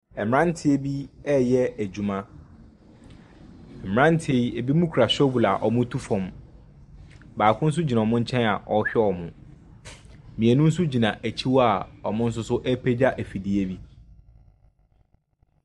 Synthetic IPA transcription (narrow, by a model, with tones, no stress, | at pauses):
ɛ˨m˨ɾã˦n˦tʰɪ˦e˨bi˦ɛ˦jɛ˦æ˨d͡ʑu˨mã˦˨ | m˨ã˦n˦tʰɪ˦e˨i˦e˨bi˦mũ˦kʰu˨ɾa˨ɕᶣo˦bu˨la̰˨ʔɔ˨mʊ̃˦tʰu˦fɔ̃˨m | baː˨kʰʊ̃˦n̩˦s̬ʊ˦d͡ʑi˨nã˨ɔ˨mʊ̃˦ɲ̩˦t͡ɕʰɛ̃˦na̰˨ʔɔ˨ɕᶣɛ˦ɔ˨mʊ̃˨ | mĩ˨e˨nũ˦n̩˦s̬ʊ˦d͡ʑi˨nã˨ʔæ˨t͡ɕʰi˦wa˨ɔ˨mʊ̃˦n̩˦s̬ʊ˦sʊ˦ʔɛ˦pʰe˦d͡ʑa˦ʔæ˨fi˨di˦e˦bi˦